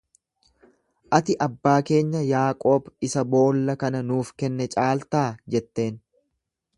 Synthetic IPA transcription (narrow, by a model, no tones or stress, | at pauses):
ʔɐt̪ɪʔɐbːaːke̞ːɲːɐjaːkʼo̞ːbɪsɐbo̞ːlːɐkɐnɐnuːfkɛnːɛt͡ʃʼaːlt̪aːd͡ʒɛt̪ːe̞ːn